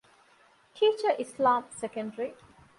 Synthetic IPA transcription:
ʈʰiːt͡ʃəʔɪslãːmsekə̃ɳɖəɾi

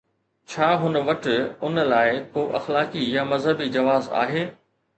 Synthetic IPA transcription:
t͡ɕʰaːɦʊnʋɐʈɪʊn̆laːɪkoːʔɐ̰xlaːkijamɐzɦəbid͡ʑɐʋaːza̰ːɦeː

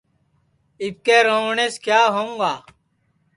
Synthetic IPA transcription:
ip̚keːɾoɳeskjaːɦoũŋɡaː

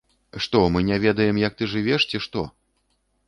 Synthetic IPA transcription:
ʂt̪ɔmɨnʲɛvʲɛd̪ɐjɛmjɐk̚t̪ɨʐɨvʲɛʂt͡sʲiʂt̪ɔ

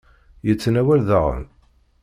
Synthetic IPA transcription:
jət͡sːnæwælðəʁə̰n

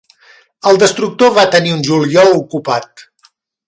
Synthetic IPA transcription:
əlˠd̪əst̪ɾuk̚t̪oβat̪əniunʲʒuliɔlukupat̪̚

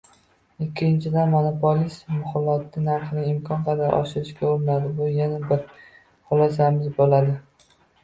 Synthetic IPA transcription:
ɪkʲʰːɪnt͡ʃʰɪd̪anmonopʰolismʊχʊlːat̪ʰːɪnaɾχɪnɪɪmkʰɒnqʰɑd̪aɾʔɒ̰ʃɪɾɪʃkʲaoɾɪnad̪ɪbʊjanabɪɾ | χʊlˠɒs̬amɪzbolad̪ɪ

